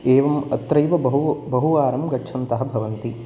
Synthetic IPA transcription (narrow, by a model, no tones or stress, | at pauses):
eːʋɐmɐt̪ɾɐjʋɐɐɦubɐɦuʋaːɾɐmɡɐːt͡ʃʰɐnt̪ɐɦɐbʱɐʋɐnt̪i